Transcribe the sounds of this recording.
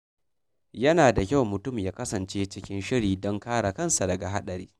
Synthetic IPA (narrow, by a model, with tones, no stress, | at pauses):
jɐ˦naː˨da˨kʲa˦˨wmʊ˨tʊ˦˨mjaː˦kɐ˦sɐ˨nt͡ʃeː˦t͡ʃɪ˦kʲɪ˦nʃɪ˦ɾiː˨dɔ˦ŋkaː˦ɽa˨kɐ˦˨nsa˨dɐ˨ɡa˨ɦa˦ɗɐ˨ɾḭː˦